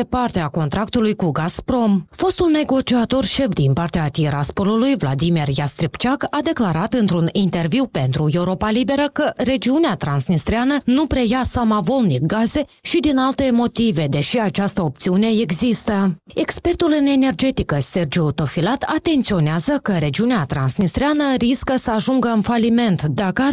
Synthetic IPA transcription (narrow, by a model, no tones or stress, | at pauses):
epart̪eako̞nt̪ɾak̚t̪ulujkuɡaspɾo̞mfo̞st̪ulne̞ɡo̞t͡ʃiat̪o̞rʃe̞fd̪inpart̪eat̪iɾaspo̞lulujvlad̪imirjast̪ɾipt͡ʃakad̪e̞klaɾat̪ɨnt̪ɾunint̪e̞rviwpe̞nt̪ɾue̞wɾo̞palibe̞ɾəkəɾe̞d͡ʒiuneat̪ɾansnist̪ɾeanənupɾe̞jasamavo̞lnik̚ɡaze̞ʃid̪inalt̪e̞mo̞t̪ive̞d̪e̞ʃiat͡ʃast̪əo̞p̚t̪siune̞e̞ɡzist̪əe̞kspe̞rt̪ulɨne̞ne̞rd͡ʒe̞t̪ikəse̞rd͡ʒut̪o̞filat̪ʰat̪e̞nt̪sio̞neazəkəɾe̞d͡ʒiuneat̪ɾansnist̪ɾeanəɾiskəsəaʒuŋɡəɨnfalime̞nt̪d̪akəa